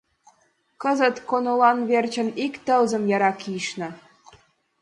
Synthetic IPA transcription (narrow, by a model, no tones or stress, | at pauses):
kə̆zə̆t̪konolɑnβert͡ɕə̆nikt̪əlzə̆mjɑɾɑkiʃnɤ̆